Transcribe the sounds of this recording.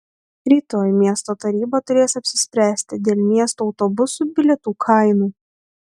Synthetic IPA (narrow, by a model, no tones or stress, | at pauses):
ɾʲiːt̪oːjmʲiɛst̪oːt̪ɐɾʲiːbɐt̪ʊɾʲeːsɐpʲsʲɪsʲpʲɾʲæːsʲt̪ʲɪd̪ʲeːlʲˠmʲiɛst̪uɔʊt̪ɔbʊsuːbʲɪlʲɛt̪uːkʰɐˑɪnuː